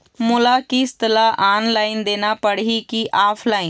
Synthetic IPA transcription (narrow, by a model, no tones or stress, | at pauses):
mʊlakist̪əlaʔaːnlaːɪnd̪eːnapəɽ̤ikiʔaːpʰlaːɪn